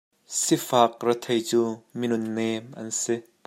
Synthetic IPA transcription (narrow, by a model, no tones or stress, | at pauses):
sifaːk̚rɐt̪ʰejt͡suːminʊnːeːmʔɐ̰nsi